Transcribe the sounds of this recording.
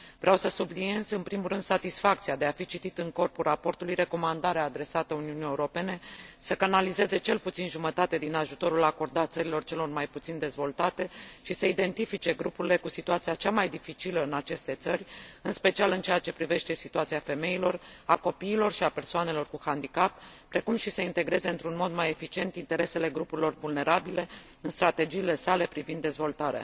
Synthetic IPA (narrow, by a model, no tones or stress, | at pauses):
vɾeawsəsubline̞zɨnpɾimuɾɨnd̪sat̪isfak̚t̪siad̪e̞afit͡ʃit̪it̪ɨŋko̞rpurapo̞rt̪ulujɾe̞ko̞mand̪aɾeaːd̪ɾe̞sat̪əuniunije̞uɾo̞pe̞ne̞səkanalize̞ze̞t͡ʃe̞lput̪sinʒumət̪at̪e̞d̪inaʒut̪o̞ɾulako̞rd̪at̪səɾilo̞rt͡ʃe̞lo̞rmajput̪sind̪e̞zvo̞lt̪at̪e̞ʃisəid̪e̞nt̪ifit͡ʃe̞ɡɾupuɾile̞kusit̪uat̪siat͡ʃamajd̪ifit͡ʃiləɨnat͡ʃe̞st̪e̞t̪səɾʲɨnspe̞t͡ʃialɨnt͡ʃe̞jat͡ʃe̞pɾive̞ʃt̪e̞sit̪uat̪siafe̞me̞ilo̞rako̞piːlo̞rʃiape̞rsoane̞lo̞rkuhand̪ikapː | ɾe̞kumʃiseint̪e̞ɡɾe̞ze̞ɨnt̪ɾunmo̞d̪maje̞fit͡ʃie̞nt̪int̪e̞ɾe̞se̞le̞ɡɾupuɾilo̞rvulne̞ɾabile̞ | ɨnst̪ɾat̪e̞d͡ʒiːle̞sale̞pɾivind̪ːe̞zvo̞lt̪aɾea̰